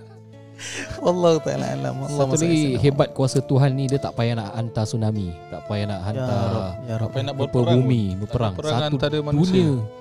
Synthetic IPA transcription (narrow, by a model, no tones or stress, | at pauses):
walːɔhut̪aa̰la̰a̰la̰msautlaɡiɦebat̪̚kuasət̪uɦanːidiat̪aʔpajanaʔant̪asunamit̪a̰ʔpajanaʔɦant̪aanbupəbumibəpəɾaŋsat̪uduniə